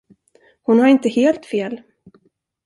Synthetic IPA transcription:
hʊnhaɾɪnt̪əheːlt̪feːl

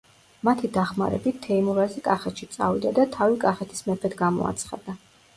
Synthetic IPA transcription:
mat̪ʰid̪aχma̰ɾɛ̰bit̪t̪ʰːɛimuɾazikʼaχɛt̪ʃit̪sʼa̰vid̪ad̪at̪ʰavikʼaχɛt̪ʰi̥smɛpʰɛd̪ɡamɔ̰a̰t̪sʰχa̰d̪̥a

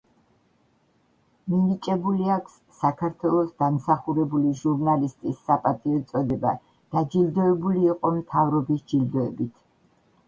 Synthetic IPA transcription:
minit͡ʃʼɛbuliakʰsːakʰaɾt̪ʰwɛlˠɔsd̪amsaχuɾɛbuliʒuɾnalist̪ʼisːapʼat̪ʼiɔt̪sʼɔd̪ɛba | d̪̥ad͡ʒild̪ɔɛbuliːqʼɔmt̪ʰavɾɔbisd͡ʒild̪ɔɛbit̪ʰ

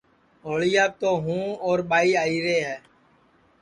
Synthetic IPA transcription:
ɦoːɭɪjaːt̪oːɦũːoːɾɓaːiːaːiːɾeːɦɛː

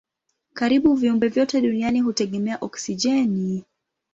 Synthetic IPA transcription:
kaɾiɓuviumbɛvjɔtɛɗunianihutɛɠɛmɛaʔɔksiʄɛni

